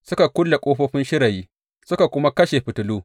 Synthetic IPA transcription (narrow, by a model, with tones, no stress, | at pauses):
sʊ˦ka˨kʷʊ˦lːa˨kʷʼoː˦ɸoː˦ɸɪ˦nʃɪ˦ɾɐ˨jiː˦ | sʊ˦ka˨kʷʊ˦ma˦kɐ˦ʃe˨ɸɪ˨tʊ˨luː˦